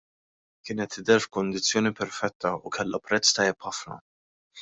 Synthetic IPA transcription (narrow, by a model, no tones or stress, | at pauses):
kɪːnɛt̪ːɪd̪ɛɾfkʊnd̪ɪt͡sːjɔːnipɛɾfɛt̪ʰːɐukʰɛlːɐpɾɛt͡sːt̪ɐjːɛpħɐfnɐ̰